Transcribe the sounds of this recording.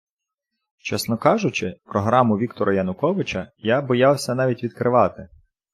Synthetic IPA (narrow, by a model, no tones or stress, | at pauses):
t͡ʃɛsnɔkɑʒʊt͡ʃɪpɾɔɦɾɑmʊʋʲikt̪ɔɾʔɐjɐnʊkɔʋɪt͡ʃɐjabɔjɑwsʲɐn̪ɑʋʲitʲʋʲid̪̚kɾɪʋɑt̪ɪ